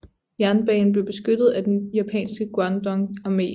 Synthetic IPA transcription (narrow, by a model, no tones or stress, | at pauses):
jæɐnb̥ɛ̰ːn̩b̥le̝ʊb̥e̝sɡ̥ød̥ð̞̩ˠæd̥enjæpʰɛ̰ːnsɡ̥əɡ̥wɑnd̥ɒ̽ŋɑ̈me̝̰ː